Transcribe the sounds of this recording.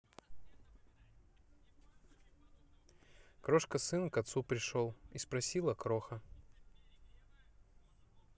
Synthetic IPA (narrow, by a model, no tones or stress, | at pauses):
kɾoʂkəsɨnkɐt̪supɾʲɪʂolˠispɾɐsʲilˠəkɾoxə